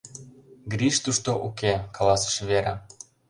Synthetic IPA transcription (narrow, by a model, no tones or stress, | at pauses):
ɡɾiʃt̪uʃt̪oʔukekɑlɑsə̥̆ʃβeɾa